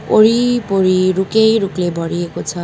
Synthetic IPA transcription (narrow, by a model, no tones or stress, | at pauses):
poɾipoɾiɾukejɾuklebʱʌɽiekot͡sʰʌ